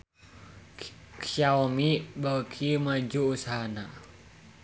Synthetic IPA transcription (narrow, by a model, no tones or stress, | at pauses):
kaɔmiʔbakʰimad͡ʒuusaɦana